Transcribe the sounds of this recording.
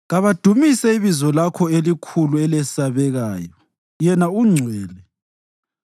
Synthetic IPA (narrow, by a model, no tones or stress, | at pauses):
ɣaβad̥ʱumisɛiβizɔlakʰɔelikʰuluɛlɛsaβɛɣaːjɔ | jɛnauŋ͡ǀʱwɛːlɛ